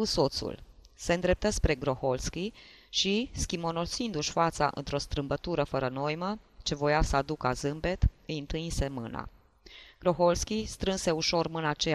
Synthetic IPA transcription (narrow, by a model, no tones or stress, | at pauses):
uso̞t̪sṵlse̞nd̪ɾe̞p̚t̪əspɾe̞ɡɾo̞ho̞lskʲi | ʃiskʲimo̞nosind̪uʃʲfat̪sa̰ʔɨ̰nt̪ɾo̞st̪ɾɨmbət̪uɾəfəɾəno̞jmət͡ʃe̞vo̞jasəad̪ukazɨmbe̞t̪ɨjɨnt̪ɨinse̞mɨna̰ | ɡ̥ɾo̞xo̞lskʲist̪ɾɨnse̞uʃo̞rmɨnat͡ʃe